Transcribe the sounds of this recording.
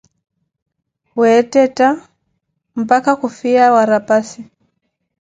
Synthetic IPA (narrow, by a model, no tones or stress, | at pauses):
wɛtɛta | m̩pakakufiawaɾapasi